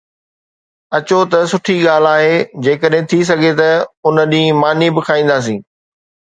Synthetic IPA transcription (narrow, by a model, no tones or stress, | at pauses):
ɐt͡ɕot̪ɐsʊʈʰiɠaːlaːɦed͡ʑeːkəɗɦɪ̃t̪ʰis̬ɐɡʱet̪ɐʊnəɗĩːmaːnibɪkʰaːĩːn̆d̪aːs̬ĩː